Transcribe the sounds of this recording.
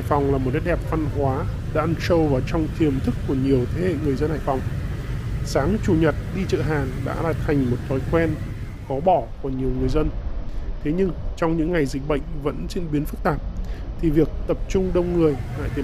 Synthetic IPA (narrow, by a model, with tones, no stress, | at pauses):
a̰˧˨jfɔ˨˩wŋ͡mlaː˨˩mo˨˩t̚ka˨˦jɗɛ˨˩p̚va˧nɦwaː˨˦ | ɗa̰ː˧nsə˧wvaː˨˩t͡ɕɔ˧wŋ͡mt̪ʰi˨˩əmt̪ʰɨ˦˥kːu˧˩əɲi˨˩əwt̪ʰe˨˦hḛ˧˨ŋɨ˩əjzə˧nha̰ː˧˨fɔ˨˩wŋ͡m | saː˨˦ŋt͡ɕu˨˩ɲə˨˩t̚ɗi˧t͡ɕə̰ː˧˨ɦaː˨˩ŋɗa̰ː˧˥laː˨˩t̪ʰa˨˩jŋ̟mo˨˩t̚t̪ʰɔ˨˦jkwɛ˧n | xɔ˨˦ɓɔ˧˩ku˧˩əɲi˨˩əwŋɨ˨˩əjzə˧nt̪ʰe˨˦ɲɨ˧ŋt͡ɕɔ˧wŋ͡mɲɨ̰˧˥ŋːa˨˩jzï˨˩k̟̚ɓə̰˧˨jŋ̟və̰˧˥nt͡ɕe˧nɓi˨˦ənfɨ˦˥k̚t̪aː˨˩p̚t̪ʰi˨˩vi˨˩ək̚t̪ə˨˩p̚t͡ɕʊ˧ŋ͡mɗə˧wŋ͡mŋɨ˨˩əjla̰ː˧˨jt̪i˨˩